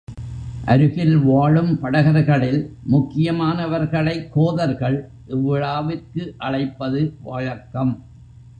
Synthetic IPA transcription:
ʔɐ̰ɾɯɣɪlʋaːɻɯmpɐɽɐɣɐɾɣɐɭɪlmʊkːɪjɐmaːnɐʋɐɾɣɐɭɐɪkːoːðɐɾɣɐɭʔɪʋːɪɻaːʋɪrkɯʔɐɻɐɪpːɐðɯʋɐɻɐkːɐm

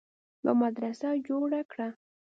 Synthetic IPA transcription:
la̰mad̪ɾasad͡ʒoɽakɽa

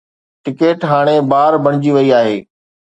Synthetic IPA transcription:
ʈɪkeːʈɦaːɽ̃ebaːɾbɐɽ̃ɪd͡ʑiʋɐiaːɦeː

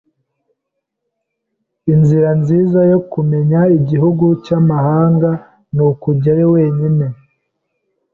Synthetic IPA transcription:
inziɾanziːzajo̞kume̞ɲaiɟiɦuɡucamahaːŋɡa | nukuɾɟajowe̞ːɲine̞

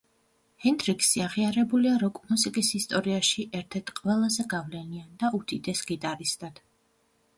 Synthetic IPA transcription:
hɛnd̪ɾiksiaʁiaɾɛbuliaɾɔkʼmusikʼisist̪ʼɔɾiaʃiʔɛɾt̪ʰɛɾt̪ʰqʼwɛlˠazɛɡavlɛniand̪aut̪ʰit̪ʼɛsɡit̪ʼaɾist̪ʼad̪̥

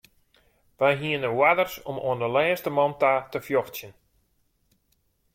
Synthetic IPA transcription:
ʋajɦiənəwadərsɔmo̰əndəlɛːstəmɔntatəfjoxtsjən

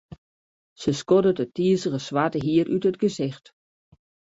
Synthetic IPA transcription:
səskɔdətətiəsəɣəsʋatəɦiəɾʔytətɡəzɪxt

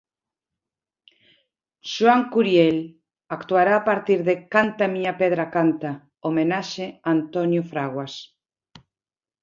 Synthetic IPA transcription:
ʃwaŋkuɾjel | akt̪uaɾaːpaɾt̪iɾðekant̪amiɲapeð̞ɾakant̪a | omenaʃeant̪onjofɾaɣwas

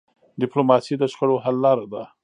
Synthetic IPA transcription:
ɖɪplomɑsid̪əʃxəɽoɦalːɑɾad̪a

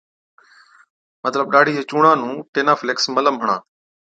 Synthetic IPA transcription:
mət̪ləbɗaːɽ̤ʱiːɦet͡ɕuːɳaːnũːʈeːnaːfleksmələmɦəɳ̃a̰ː

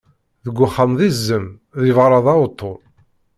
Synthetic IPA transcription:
ðəɡʷːʊχːəmðizːəm | ðjvɾˤɑðˤɑʊt̪ʰˤːoɾ

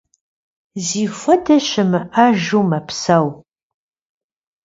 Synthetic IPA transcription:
ziːfʷɔdʰɐɕɪmɨʔɐʒuːmɐpsɐw

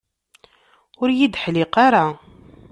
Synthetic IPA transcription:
ʊɾjid̪ħlɪqaɾa

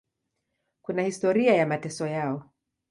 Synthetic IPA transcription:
kunahistɔɾiajamatɛsɔjaɔ

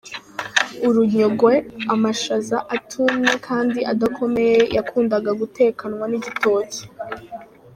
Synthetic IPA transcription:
uɾuɲo̞ɡweamaʃazaʔatʰumekʰaːndiʔadakʰo̞me̞je̞jakʰuːndaɡaɡutʰe̞ːkanwaniɟito̞ːce̥

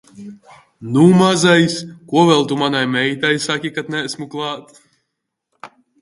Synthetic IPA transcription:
numazajskuɔvɛlˠt̪umanajmɛjt̪ajsakʲikat̪nɛsmuklˠɑːt̪

